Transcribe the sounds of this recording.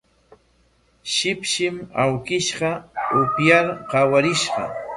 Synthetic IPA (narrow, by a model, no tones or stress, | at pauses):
ʃɪpʃɪmawkɪʃɢɑʊpjaɾqɑwaɾɪʃɢɑ̰